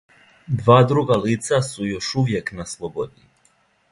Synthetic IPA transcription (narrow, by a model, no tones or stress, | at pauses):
d̪ʋaːd̪ɾuɡaliːt̪sasujo̞ʃuʋjeknaslˠobod̪ni